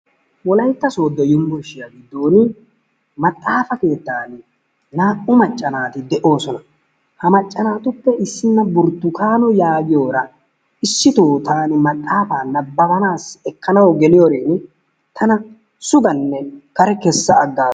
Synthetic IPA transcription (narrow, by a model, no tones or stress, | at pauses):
wɔlɐjt̪ːɐso̞ːd̪ːɔjʊmbɔʃːɪjɐɡɪd̪ːo̞ːnɪ | mɐt̪ʼːaːfɐke̞ːt̪ːaːn | naːʔʊmɐt͡ʃʼːɐnaːt̪ɪd̪ɛʔo̞ːsɔnɐ | hɐmɐt͡ʃʼːɐnaːt̪ʊpːɛʔɪsːɪnːɐbʊɾt̪ːʊkaːnɔjaːɡɪjo̞ːɾɐ | ɪsːɪt̪oːt̪aːnɪmɐt̪ʼːaːfaːnɐbːɐbɐnaːsɛkːɐnɐwɔɡɛlɪjoɾeːn | t̪ʰɐnɐ | sʊɡɐnːɛkɐɾɛkɛsːɐːɡːaː